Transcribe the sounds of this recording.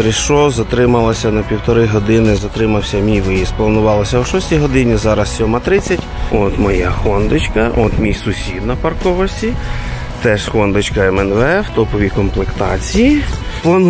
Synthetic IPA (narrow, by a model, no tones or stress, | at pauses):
ɾɪʃɔzɐt̪ɾɪmɐlˠɐsʲɐnɐpʲiwt̪ɔɾɪjɦɔd̪ɪnɪzɐt̪ɾɪmɐwsʲɐmʲijʋɪjisplˠɐnʊʋɑlˠɐsʲɐwʃɔsʲtʲijɦɔd̪ɪnʲizɑɾɐssʲɔmɐt̪ɾɪt͡sʲːɐtʲɔt̪mɔjaxɔnd̪ɪt͡ʃkɐʔɔt̪mʲijsʊsʲid̪nɐpɐrkɔʋɔsʲtʲi | t̪ɛʃxɔnd̪ɪt͡ʃkɐɛmɛnʋɛɛwt̪ɔpɔʋʲikɔmplˠekt̪ɑt͡sʲiji | plˠɔn